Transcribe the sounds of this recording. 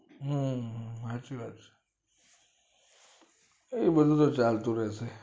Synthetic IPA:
ɦũ | at͡ʃiʋat͡ʃ | eibəd̪ʱũt̪̬ot͡ʃalt̪ũɾɛsʰe

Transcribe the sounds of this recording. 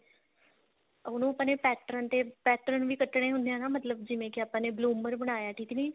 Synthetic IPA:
ʊnũːəpːãːneːpɛːʈəɾənt̪eːpɛːʈɾənʋiːkəʈːɽ̃eːɦʊ̃nd̪ejãːnaːmət̪ləb̚d͡ʒɪʋẽːkɪaːpãːneːbluːməɾbəɽ̃aːjaːʈʰiːkniː

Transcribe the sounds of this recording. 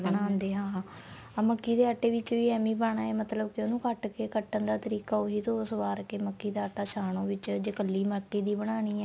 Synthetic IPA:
bənaːnd̪eːɦãː | məkːiːd̪eːəʈːeːʋɪt͡ʃʋiːɛːmiːbaːɳ̃aːeːmət̪ləbkɪoːnũːkəʈkeːkəʈːənd̪aːt̪əɾiːkaːoːɦiːt̪oːsʋaːɾkeːməkːiːd̪aːəʈaːʃʰaːɳõːʋɪt͡ʃd͡ʒəkəlːiːməkːiːd̪iːbəɽ̃aːñiːɛː

